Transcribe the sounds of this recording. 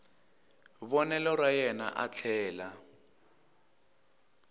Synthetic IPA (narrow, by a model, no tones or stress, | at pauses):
βɔnɛlɔrwajɛna̰ʔa̰t͡ɬʰɛːla